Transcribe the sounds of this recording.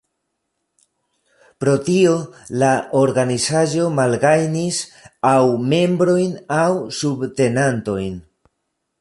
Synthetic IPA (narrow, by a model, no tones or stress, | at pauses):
pɾo̞tio̞laoɾɡanisaʒo̞malɡajnisawme̞mbɾo̞jnawsubte̞nanto̞jn